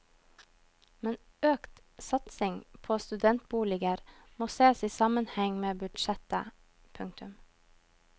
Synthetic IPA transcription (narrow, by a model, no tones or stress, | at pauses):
mɛn | øːkt̪ | sɑt̪sɪŋpʰoːst̪ʉd̪ɛnt̪̚buːlɪɡəɾmoːseːsiːsɑmənhɛŋmeːbʉd̪ʃɛt̪ə̰ | pʰʉŋ̚t̪ʉm